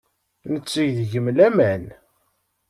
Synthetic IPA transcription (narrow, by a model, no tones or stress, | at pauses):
nət͡sːəʝðʝəmlæmæn